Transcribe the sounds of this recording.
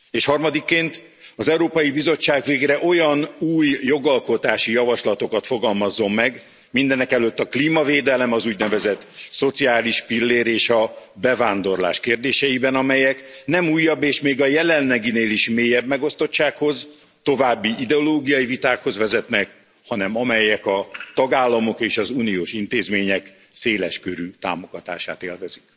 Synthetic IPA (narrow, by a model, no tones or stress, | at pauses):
eːʃhɒrmɒd̪ikːeːnt̪ | ɒzɛuɾoːpɒjibizo̞t͡ʃːaːɡveːɡrɛʔo̞jɒnuːjjo̞ɡɒlko̞t̪aːʃijɒvɒʃlɒt̪o̞kɒt̪fo̞ɡɒlmɒzːo̞mːɛɡ | mind̪ɛnɛkɛløt̪ːɒkliːmɒveːd̪ɛlɛmɒzuːɟnɛvɛzɛt̪ːso̞t̪siaːliʃpilːeːɾeːʃɒbɛvaːnd̪o̞rla̰ːʃkeːrd̪eːʃɛjibɛnɒmɛjɛknɛmuːjːɒbːeːʃmeːɡɒjɛlɛnlɛɡineːliʃmeːjɛbmɛɡo̞st̪o̞t͡ʃt͡ʃːaːkho̞z | t̪o̞vaːbːiʔid̪ɛoloːɡijɒjivit̪aːkho̞zvɛzɛt̪nɛk | hɒnɛmɒmɛjɛkɒt̪ɒɡaːlːɒmo̞keːʃɒzuːnioːʃint̪eːzmeːɲɛk | seːlɛʃkøɾyːt̪a̰ːmo̞ɡ̥ɒt̪a̰ːʃa̰ːt̪ḛːlvɛzy̥k